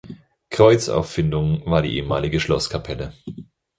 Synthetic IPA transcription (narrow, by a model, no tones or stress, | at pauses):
kʁ̥ɔʏt͡sa̰ʊfːɪndʊŋvaːɐɾḭːʔḛːəmaːlɪɡəʃlɔskʰapʰɛlə